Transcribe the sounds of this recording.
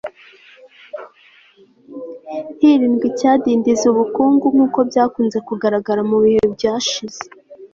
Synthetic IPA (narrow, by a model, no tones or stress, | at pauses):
hiːɾiːmɡicaːdiːndizuβukuːŋɡuŋ̥uːko̞bɟaːkuːnze̞kuɡaɾaɡaɾamuβihebɟaːʃiz̥e̥